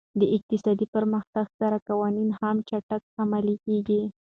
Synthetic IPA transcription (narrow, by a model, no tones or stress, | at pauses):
d̪əɪq̚t̪ɪsɑd̪ipəɾməxt̪aɡsaɾakawɑninhamt͡ʃaʈak̚amalikeɡi